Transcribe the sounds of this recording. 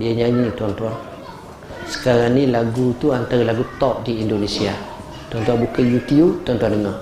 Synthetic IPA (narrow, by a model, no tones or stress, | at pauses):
diaɲaɲit̪uant̪uan | sə̥kaɾaŋnilaɡut̪uant̪aɾalaɡut̪ɔp̚diindonesia | t̪uant̪uanbukajut̪iut̪uant̪uandəŋa